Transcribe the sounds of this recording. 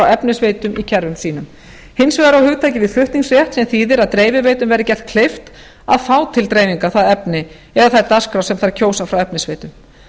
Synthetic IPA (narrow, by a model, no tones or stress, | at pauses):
awɛpnɪsveːjt̪ʏmicʰɛɾvʏmsiːnʏm | hɪnsvɛːðɾawhʏːɣt̪ʰaːjcɪvɪðfʏht̪niŋksrjɛht̪sɛmθiːðɪɾaðt̪ɾeːjvɪveːjt̪ʏmvɛːɾɪcɛl̥t̪̚kʰlejft̪ | aðfaːwt̪ʰɪlt̪ɾejviŋkaθaðɛpnɪ | ɛðaθaɾt̪askɾawsɛmθaɾcʰoːwsafɾawɛpnɪsveːjt̪ʏm